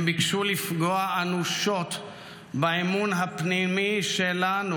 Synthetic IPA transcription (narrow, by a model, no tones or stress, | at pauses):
bikʃulːifɡoaanuʃot̪ | beemunɦapnimiʃelanu